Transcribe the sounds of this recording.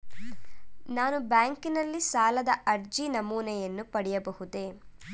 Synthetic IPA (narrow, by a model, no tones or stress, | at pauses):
naːnubaːŋkinɐlːisaːlɐd̪ɐʔɐɾd͡ʒinɐmuːnɛjɐnːupɐɽɛjɐbɐhud̪eː